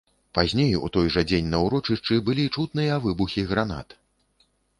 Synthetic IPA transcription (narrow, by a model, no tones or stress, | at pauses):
pazʲnʲejṵt̪ɔjʐɐd͡zʲenʲnɐwɾɔt͡ʂɨʂt͡ʂɨbɨlʲit͡ʂut̪nɨjɐavɨbuxʲiɣɾan̪a̰t̪